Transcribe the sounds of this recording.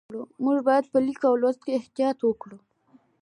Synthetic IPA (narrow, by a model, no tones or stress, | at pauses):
ɽumuʐbɑjad̪̚pəlikaawlwazt̪̚keɪht̪ijɑt̪wəkɽu